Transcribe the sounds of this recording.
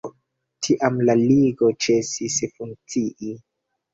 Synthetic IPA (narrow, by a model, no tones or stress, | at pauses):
tʰiʔamlaliɡo̞t͡ʃe̞sisfuŋ̚t͡siʔi